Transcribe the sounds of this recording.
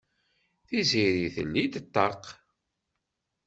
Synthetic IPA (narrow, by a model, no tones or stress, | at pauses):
θiziɾiθə̰lːid̪ət̪ːɑq